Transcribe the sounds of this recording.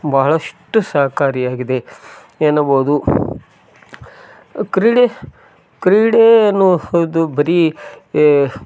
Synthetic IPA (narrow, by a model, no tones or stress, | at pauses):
bɐɦɐɭɐʂʈːusaːɐkaːɾijaːɡid̪e | eːnɐbɐːd̪u | kɾiɽe | kɾiːɽeɐnːud̪ubɐɾi